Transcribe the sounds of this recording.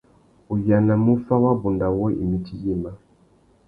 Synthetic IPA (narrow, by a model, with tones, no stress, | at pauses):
u˨ja˨na˨mu˦fa˦wa˦bu˨nda˨wɔ˦ʔḭ˨mi˦ti˦ji˦˨ma˦